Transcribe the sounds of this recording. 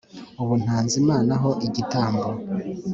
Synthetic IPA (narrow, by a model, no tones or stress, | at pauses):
uβun̥haːnzimaːnaɦo̞ʔiɟitaːmbo